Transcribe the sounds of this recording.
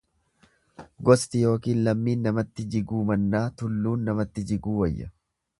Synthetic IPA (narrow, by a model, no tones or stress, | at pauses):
ɡɔst̪ɪjo̞ːkiːnlɐmːiːnːɐmɐt̪ːɪd͡ʒɪɡuːmɐnːaːt̪ʊlːuːnːɐmɐt̪ːɪd͡ʒɪɡuːwɐjːɐ̰